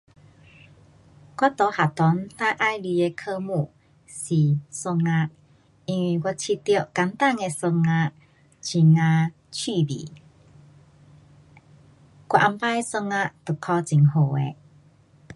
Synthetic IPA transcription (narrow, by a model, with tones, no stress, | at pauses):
kʷwa˦˥t̪o˧˦ha˨˩t̪ɔ˨˦nt̪a˧˦ʔa˦jli˧e˧kʰə˥˧mũ˧˨ | si˨˩sə˧ŋa˧ʔ | i˧ŋwi˧˨˩ɡa˧t͡ɕʰi˧t̪i˧ə˨ka˧˦nt̪a˥˧˨ŋe˧sə˧ŋa˧ | t͡ɕʰi˨˩ŋã˧ | t͡ɕʰi˥˧˨bḭ˨˦ | kwa˧ʔa˧mpa˦˧sə˧ŋa˧t̪u˨˩kʰɔ˧t͡ɕi˨ŋɦo˨˩ḛ˧